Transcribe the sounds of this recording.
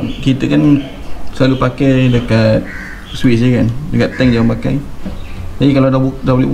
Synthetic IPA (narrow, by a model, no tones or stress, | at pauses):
kit̪əkan | səlalupakajdəkat̪̚ | switd͡ʒəkandəkat̪ːɛŋd͡ʒaŋəmpaka̰j | t̪abikaladabudabolib